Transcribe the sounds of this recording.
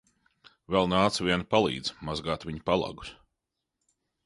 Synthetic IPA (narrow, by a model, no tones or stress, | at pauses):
vɛlˠnaːt̪svʲiɛnapalˠḭːd̪zmazɡaːt̪vʲiɲipalˠa̰ɡu̥s